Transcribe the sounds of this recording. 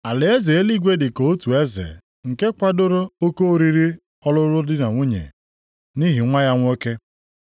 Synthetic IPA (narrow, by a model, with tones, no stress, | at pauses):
a˨lɪ˨e˦ze˨e˦li˦ɡʷe˦dɪ˨ko˨o˦tu˨e˦zḛ˨ | ŋ̩˨ke˦kʷa˦dʊ˦ɾʊ˦o˦ko˦ɾi˦ɾi˦ | ɔ˦lʊ˦ɾʊ˦dɪ˦na˨ŋʷu˦ɲḛ˨ | ni˦ɦi˨ŋʷa˦ja˦ŋʷ˦o˦ke˦